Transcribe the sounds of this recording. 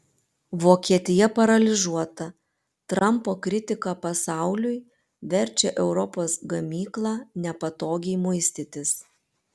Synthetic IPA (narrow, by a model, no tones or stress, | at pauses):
ʋoːkʲiɛt̪ʲɪjɛpɐɾɐlʲɪʒuɔt̪ɐ | t̪ɾɐmpoːkɾʲɪt̪ʲɪkɑpɐsɑˑʊlʲʊj | ʋʲɛɾʲt͡ʃʲɛʔɛʊɾɔpoːsɡɐmʲiːklˠɑːnʲɛpɐt̪oːɡʲɛɪmʊɪsʲt̪ʲɪt̪ʲɪs